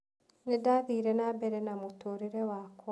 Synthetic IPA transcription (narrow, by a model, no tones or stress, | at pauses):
nidaðiːɾenabeɾenamutoɾiɾewak